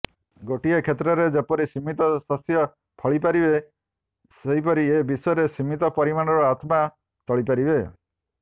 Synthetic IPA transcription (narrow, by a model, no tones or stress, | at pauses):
ɡoʈiekʰet̪ɾɔɾed͡ʒepɔɾisimit̪ɔsɔsjɔ | pʰɔɭipaɾibe | seɦipɔɾiebisɔjɔɾesimit̪ɔpɔɾimañɔɾɔat̪ma | t͡ʃɔɭipaɾibe